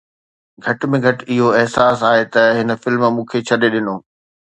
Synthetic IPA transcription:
ɡʱɐʈmẽɡʱɐʈɪɦoɛɦsaːsaːɦet̪ɐɦɪnə̆fɪlmmũːkʰet͡ɕʰɐɗeɗɪnoː

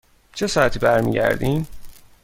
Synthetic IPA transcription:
t͡ʃʰesɒːæt̪ʰiːbæɾmḭɟæ̰ɾd̪iːm

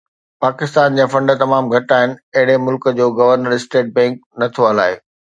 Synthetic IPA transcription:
paːkɪst̪aːnd͡ʑãːfɐ̃ɳɖt̪ɐmaːmɡʱɐʈaːɦɪnɪ̆ɐɦɪɽemʊlkə̆d͡ʑoːɡɐʋəɾnəɾɪsʈeːʈ̚bɛ̃ːŋk̚nɐt̪ʰoɐla̰ːɦe

